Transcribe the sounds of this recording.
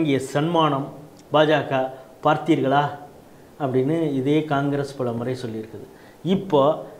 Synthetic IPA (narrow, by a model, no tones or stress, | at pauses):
ŋɡɪjɐsɐnmaːɳɐm | baːd͡ʒaːkaːpaːɾt̪iːɾɣɐɭaː | ɐpːɐɽɪnːɯɪðeːkaːŋɡɐɾespɐɭɐmɯɾɐɪsɔlːɪɪɾɯkːɐðɯ | ɪpːoː